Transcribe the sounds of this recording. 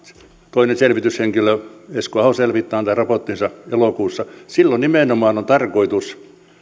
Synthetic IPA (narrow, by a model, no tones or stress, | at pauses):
t̪oinenselʋit̪ysheŋkiløeskoɑhoselʋit̪ːɑːnt̪ærɑpot̪ːinsɑelokuːsːɑsilːonnimeˑnomɑːnont̪ɑrkoit̪us